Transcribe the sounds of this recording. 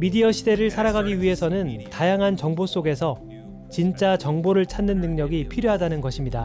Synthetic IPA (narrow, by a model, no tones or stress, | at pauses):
midiʌɕʰide̞ɾɯɭsʰaɾaɡaɡiɥiɦe̞sʰʌnɯntajaŋɦant͡ɕʌŋbos͈oɡe̞sʰʌ | t͡ɕint͡ɕ͈at͡ɕʌŋboɾɯɭt͡ɕʰannːɯnːɯŋɲʌɡipʰiɾjoɦadanɯnɡʌɕʰimɲida